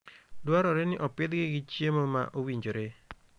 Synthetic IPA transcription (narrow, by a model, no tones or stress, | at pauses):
dwaɾɔɾenɪʔɔpɪd̪ɡɪɡɪt͡ʃjemoma̰ʔowiɲd͡ʒoɾe